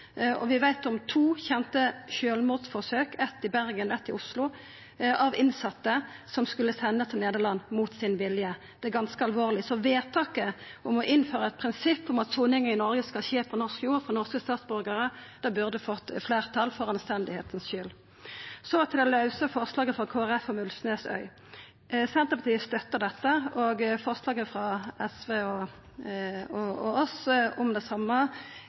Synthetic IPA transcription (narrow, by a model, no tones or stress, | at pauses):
ɔ̰ʋɪʋæɪt̪ɔmt̪ʰuːçɛnt̪əçøːlmuːd̪sfɔʁsøːkɛt̪ːɪbæʁɡənɛt̪ːɪʊslʊ | ʔɑʋɪnsɑt̪ːəsɔmskʉlːəsɛnːət̪ʰɪlneːd̪əʁlɑnːmuːt̪sɪnʋɪljə | d̪̥ɛɡɑnskəɑlʋoːʁlɪsɔʋeːt̪ʰɑːkəʔɔmɔʔɪnføːʁəɛt̪̚pʰʁɪnsɪpːɔmɑt̪sʊnɪŋənɪnɔɾɡəskɑlɕeːpʰɔnɔʁskjuːɾfɔnɔʁskəst̪ɑːt̪sbʏʁɡəʁəd̪̥ɑbʉʁd̪əfɔt̪ːfleːʁt̪ʰɑlfɔɾɑnst̪ɛnd̪ɪhḛːt̪ənsʃʏl | sɔt̪ʰɪlɔlɑʉsəfɔʁslɑːɡəfʁɑkʰoːæʁɛfɔmʉlsneːsœ̰ʏ | sɛnt̪əpʰɑt̪iːəst̪œt̪ːəʁd̪ɛt̪ːəoɡfɔʁslɑːɡəfʁɑɛsʋeːɔ | ɔɔɔsʊmd̪ɛsɑmːə